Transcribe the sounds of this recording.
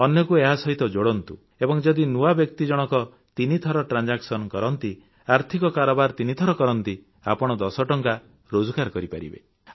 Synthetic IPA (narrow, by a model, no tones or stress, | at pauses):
ɔnjɔkueɦasɔɦit̪ɔd͡ʒoɽɔnt̪u | ebɔŋd͡ʒɔd̪inuabjɔkt̪id͡ʒɔɽ̃ɔkɔ | t̪init̪ʰɔɾɔʈɾand͡ʒaksɔnkɔɾɔnt̪i | aɾt̪ʰikɔkaɾɔbaɾt̪init̪ʰɔɾɔkɔɾɔnt̪i | a̰pɔɽ̃ɔd̪ɔsɔʈɔŋka | ɾod͡ʒukaɾkɔɾipaɾḭbḛ